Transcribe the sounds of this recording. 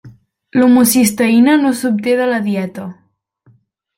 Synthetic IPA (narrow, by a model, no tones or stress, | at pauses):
lumusist̪əinənosup̚t̪eðələðiɛt̪ə